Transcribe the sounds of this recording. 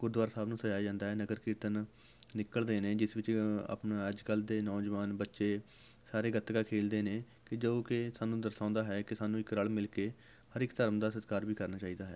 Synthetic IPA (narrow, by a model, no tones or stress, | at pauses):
ɡ̥ʊɾd̪ʋaːɾsaːbnũːsəd͡ʒaːjd͡ʒãːnd̪aːɦɛːnəɡəɾkiːt̪ən | nɪkəld̪eːneːd͡ʒɪsʋɪt͡ʃa̰ːpnəd͡ʒkəld̪eːnɔːd͡ʒʋaːnbətːʃeː | saːɾeːɡət̪ɡaːkʰeːld̪eːneː | kɪd͡ʒoːkɪsaːnũːd̪əɾsãːnd̪aːɦɛːkɪsaːnũːɪkɾəɭmɪlkeː | həɾɪkt̪əɾəmd̪aːsət̪kaːɾʋiːkəɾnaːt͡ʃaːiːd̪aːɦɛː